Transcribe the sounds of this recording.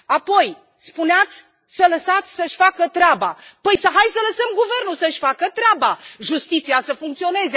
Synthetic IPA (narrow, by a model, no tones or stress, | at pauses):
apo̞j | spuneat̪sʲ | sələsat̪sʲsəʃʲfakət̪ɾeabapəjsəɦajsələsəmɡuve̞rnusəɨʃʲfakət̪ɾeabaʒust̪it̪siasəfuŋk̚t̪io̞ne̞ze